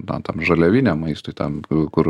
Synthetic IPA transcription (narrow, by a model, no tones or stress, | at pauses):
nɐt̪ɐmʒɐlʲɛʋʲɪnʲɛmɐɪst̪oɪt̪ɐmkʊɾ